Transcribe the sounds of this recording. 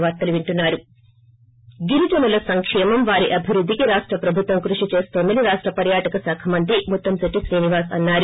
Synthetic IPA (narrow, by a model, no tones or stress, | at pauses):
ʋaːɾt̪ɐluʋiɳʈunːaːɾu | ɡiɾud͡ʒɐmulɐsɐŋkʂɛːmɐmʋaːɾiʔɐbʱiɾud̪ʱːikiɾaːʂʈɾɐpɾɐbʱut̪ʋɐmkɾuʂit͡ʃe̞ːst̪oːnd̪ɐniɾaːʂʈɾɐpɐɾjaːʈɐkɐsaːkʰɐmɐnt̪̬ɾimut̪ːɐmsɐʈːiʃɾiːniʋaːsɐ̰nːaːɾu